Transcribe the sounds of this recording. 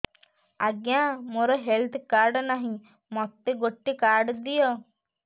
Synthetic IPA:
aɡjãmoɾɔɦelt̪ʰkaɾɖnaɦĩ | mɔt̪ːeɡoʈːikaɾɖd̪ijɔ

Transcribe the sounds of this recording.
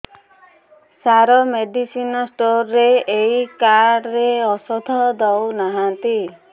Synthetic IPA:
saɾɔmeɖisinɔsʈoɾːeeikaɽeɔsɔd̪ʱɔd̪ɔwnaɦant̪i

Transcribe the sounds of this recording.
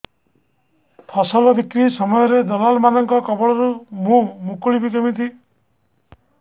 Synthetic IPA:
t̪ʰɔsɔlɔb̪ikɾisɔmɔjɔɾed̪ɔlalmanɔŋkɔkɔbɔɭɔɾumũmũkuɭibid͡ʒɔmit̪ʰi

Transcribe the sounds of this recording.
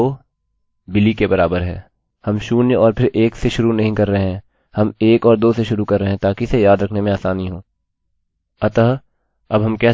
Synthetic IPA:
oː | bɪlikebɐɾaːbəɾɦɛː | hɐmʃuːnjɔːɾpʰɪɾʔeːkseʃʊɾunɐɦĩkɐɾːɐɦeɦɛ̃ː | hɐmeːkɔːɾd̪oːseʃʊɾukɐɾːəɦɛ̃t̪aːkisejaːd̪ɾɐkʰnemẽaːsaːniɦoː | ɐt̪əɦ | ɐbɦɐmkɛː

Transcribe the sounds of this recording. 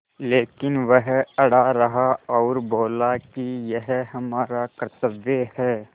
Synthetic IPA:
leːkɪnʋəɦɐɽ̤aɾɐɦaɔːɾbʱoːlakijɐɦɦɐmaːɾakəɾt̪əbjəhɛː

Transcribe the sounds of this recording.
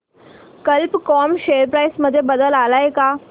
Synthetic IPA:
kəlpkɔmɕeəɾpɾajsməd̪ʱːjebəd̪əlalaeka

